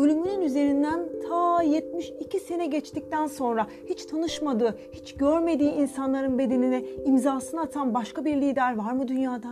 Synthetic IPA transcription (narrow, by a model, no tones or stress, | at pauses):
ølʲymynynyze̞ɾind̪ænt̪ʰaːjɛt̪miʃicʰise̞nɛɟɛt͡ʃt̪ic̚t̪ænso̞nɾa | hit͡ʃt̪ʰanɯʃmad̪ɯːhit͡ʃɟøɾme̞d̪iːʔinsanlˠaɾɯnbe̞d̪e̞ninɛimzaːsɯnaːt̪ʰanbaʃkabiɾlʲiːd̪æɾvaɾmɯd̪ynjaːd̪an